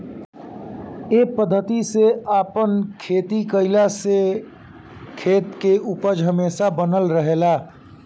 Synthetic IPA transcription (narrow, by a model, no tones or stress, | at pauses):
epəd̪ʱːət̪iseapənkʰet̪ikəɪlase | kʰeːt̪keʔupəd͡ʒɦəmeːsabənəlɾəɦela